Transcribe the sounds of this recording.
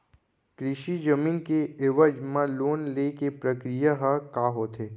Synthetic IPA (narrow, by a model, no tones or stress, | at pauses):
kɾɪʃid͡ʒəmiːnkeɪʋəd͡ʒmãloːnlekepɾəkɾijaɦəkaːɦoːt̪eː